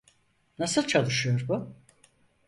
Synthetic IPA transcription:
nasɯlˠt͡ʃʰalˠɯʃɯjo̞ɾbʊ

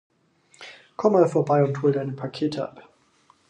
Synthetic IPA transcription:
kʰɔmːaːlfoːɐbaɪʊnthoːldaɪnəpʰakʰeːtʰəʔa̰p

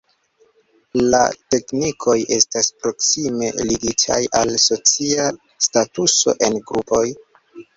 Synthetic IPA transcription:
la̰te̞knikʰo̞je̞staspɾo̞ksime̞liɡitʰa̰jʔalso̞t͡sia | statuso̞̰ʔe̞nɡɾupo̞j

